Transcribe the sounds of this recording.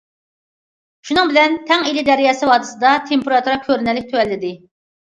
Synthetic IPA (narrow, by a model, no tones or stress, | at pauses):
ʃunɨŋbɪlɛnt̪ʰɛŋilɪd̪ɛɾijɑːsɨwɑːd̪ɨsɨd̪ɑt̪ʰempeɾɑt̪ʰuɾɑkʲʰøɾnɛlːɪk̚ʲt̪ʰøwɛlːɪd̪ɪ